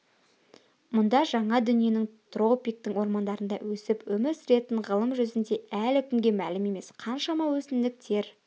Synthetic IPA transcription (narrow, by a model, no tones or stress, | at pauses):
mʊnd̪ɑʒɑɴɑd̪ʏnije̞nɪŋt̪ro̞pʲijk̚t̪əŋwo̞ɾmɑnd̪ɑɾənd̪ɑwɵsɪpwɵmɪɾsʏɾe̞t̪ɪɴʁəlˠəmʒʏzɪnd̪e̞ælɪkʲʰʏŋɡʲe̞mælɪme̞me̞sqʰɑnʃɑmɑwɵsɪmd̪ɪk̚t̪ʰe̞ɾ